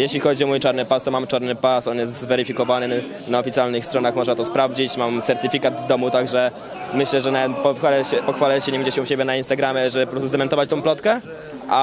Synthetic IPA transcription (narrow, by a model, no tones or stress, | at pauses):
jeɕlʲixɔd͡ʑiɔmujt͡ʂaɾnɘpast̪ɔmamt͡ʂaɾnɘpasɔnjɛst̪zvɛɾɘfʲikɔvanɘ | naɔfʲitsʲjalnɘxst̪ɾɔnaxmɔʐnat̪ɔspɾavd͡ʑit͡ɕmamt̪sɛɾt̪ɘfʲikad̪vd̪ɔmut̪aɡʐɛ | mɘɕlɛʐɛnapɔalɛɛpɔxfalɛɕɛɲɛvɛɲd͡ʑɛɕɛuɕebʲjɛnainst̪aɡɾamʲjɛʐɛbɘpɔɾɔst̪uzd̪ɛmɛnt̪ɔvat͡ɕt̪ɔ̃w̃plɔt̪kɛ | ʔa